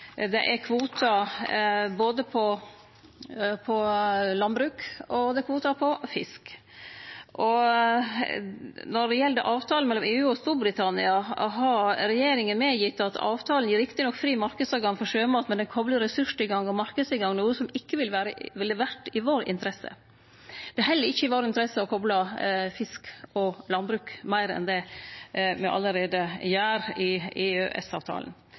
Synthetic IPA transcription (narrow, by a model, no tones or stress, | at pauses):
d̪ɛʔɛɾkʰʋuːt̪ʰɑ | boːd̪əpʰɔ | pʰɔlɑnbɾʉːkɔd̪ɛkʰʋuːt̪ɑpʰɔfɪ̰sk | ʔɔ | nɔɖɛjɛld̪əʔɑːʋt̪ʰɑːl̩mɛlːɔmeːʉːɔst̪uːɾbɾɪt̪ʰɑnɪɑɦɑɾɾɛjeːɾɪŋənmɛjɪt̪ːɑt̪ʰɑ̰ːʋt̪ʰɑːl̩jiːɾɪkt̪ɪnɔkːfɾiːmɑɾkəd̪sɑːʋɡɑŋfɔɾʂøːmɑːt̪mɛnd̪ɛnkʰɔbləɾɾɛsʉʂɪɡɑŋɔmɑɾkəd̪sɪɡɑŋnuːəsɔmɪkːəʋɪlʋæːɾəʋɛld̪ɪʋæʈɪʋoːɾɪ̰nt̪əɾɛsːə̰ | d̪̥ɛɦɛlːəɾɪçːəɪʋoːɾɪnt̪əɾɛsːəɔkʰɔblɑfɪskɔlɑnbɾʉːkmæɪɾɛ̰nd̪ɛ | mɛʔɑ̰lːəɾeːd̪əjæːɾɪeːø̰ʔɛ̰sɑ̰ːʋt̪ʰɑ̰ːln̩